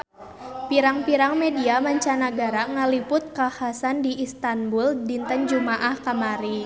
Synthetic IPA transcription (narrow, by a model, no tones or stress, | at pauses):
piɾaŋpiɾaŋmediamaɲt͡ʃanaɡaɾaŋalipʊt̪̚kahasandiːst̪anbuldint̪ənd͡ʒumaʔahkamaɾi